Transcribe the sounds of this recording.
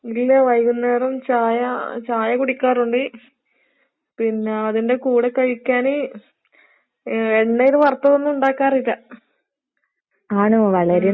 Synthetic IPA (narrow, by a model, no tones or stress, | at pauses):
ilːɐʋɐjɣunːeːrumt͡ɕaːjɐt͡ɕaːjɐkuɽikʲːaːruɳɖɨ | pinːeɐðinde̞kuːɽekɐɻikʲːaːne | eɳːɐoɾuʋɐrt̪ːɐðonːuɳɖaːkːaːrilːɐ | aːɳɨʋɐɭɐɾi